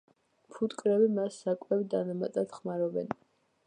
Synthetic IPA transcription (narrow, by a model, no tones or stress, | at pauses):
pʰut̪ʼkʼɾɛbimasːakʼwɛvid̪anamat̪ʼad̪̥χmaɾɔbɛ̰n